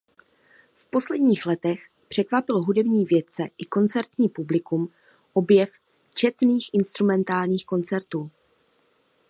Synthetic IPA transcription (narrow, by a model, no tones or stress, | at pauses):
fpo̞slɛdɲiːxlɛt̪ɛx | pr̥ɛkvapɪloɦudɛbɲiːvjɛt̪̚t͡sɛʔɪko̞nt͡sɛɾt̪ɲiːpublɪkum | ʔo̞bjɛf | t͡ʃɛt̪niːxʔɪnst̪ɾumɛnt̪aːlɲiːxko̞nt͡sɛɾt̪uː